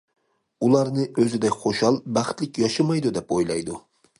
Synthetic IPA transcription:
ulˠɑɾnɨʔøzɪd̪ɛkʲχoʃɑlˠbæχt̪lɪkʲjɑʃɨmɑjd̪ud̪ɛpojlˠɑ̰jd̪u

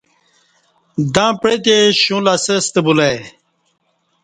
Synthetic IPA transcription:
d̪ãːpɽet̪̬eɕũlasəst̪əbule

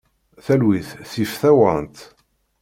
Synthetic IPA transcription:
θælwiθθifθæwənt̪

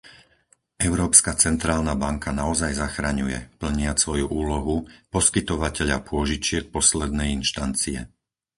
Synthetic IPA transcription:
ʔɛʊɾɔːpskat͡sɛnt̪ɾaːlnabaŋkanaɔzajzaxɾaɲujɛ̰pl̩ɲɪasʋɔjuʔuːlɔɦupɔskit̪ɔʋacɛʎa̰pʊɔʒit͡ʃɪɛk̚pɔslɛd̪nɛjinʃt̪ant͡siɛ̰

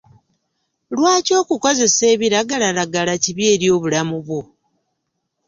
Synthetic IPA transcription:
lwaːco̞ːkuko̞ze̞se̞ːβiɾaɡalalaɡalaciβje̞ːɾjo̞ːβulamuβwo

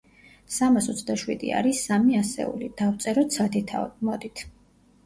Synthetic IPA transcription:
samasɔt̪sʰd̪aʃwḭd̪ḭa̰ɾisamiasɛ̰ṵlid̪̥aft̪sʼɛɾɔt̪sʰat̪ʰit̪ʰa̰mɔd̪it̪ʰ

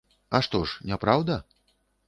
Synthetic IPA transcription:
ɐʂt̪ɔʂnʲapɾawd̪ɐ

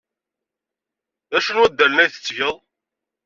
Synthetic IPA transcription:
ðæʃənwæd̪ːælnæjθə̥t͡sːʝəðˤ

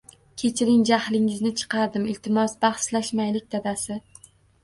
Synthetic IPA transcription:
kʲʰe̞t͡ʃʰɪɾɪŋd͡ʒahlɪŋɪznɪt͡ʃʰɨ̥qʰɑɾd̪ɪmɪlt̪ʰɪmɒsbaχslaʃmajlɪk̚ʲd̪ad̪asɪ

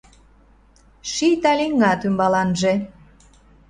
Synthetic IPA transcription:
ʃit̪ɑlʲiŋɑt̪ymbɑlɑnʒe

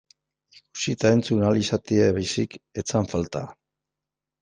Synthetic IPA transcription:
ku̥sit̪ae̞nt͡sunalisat̪ieβajsike̞t͡saɱfalt̪a

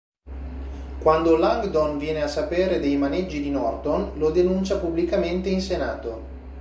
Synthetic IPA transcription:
kwand̪olaŋɡd̪onvjɛːneasːapeːɾed̪ejmaned͡ʒːid̪inɔrt̪onlod̪enunt͡ʃapublikament̪einsenaːt̪o

